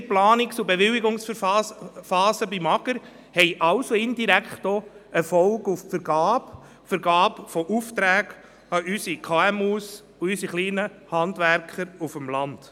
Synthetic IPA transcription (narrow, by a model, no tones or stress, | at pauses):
plɑːnɪksʊbeʋɪliɡʊŋsɑfɑːsəbimɑɡəɾ | hɛɪʔɑlsoɪndiɾækχtoɛɾfɔlɡuffəɾɡ̥ɑːp | fəɾɡɑːpfɔʔuftɾæːɡ̥ | ɑʔysikʰɑɛmus | ʊysiχliːnəhɑndvæɾkχəɾufəmlɑnd̥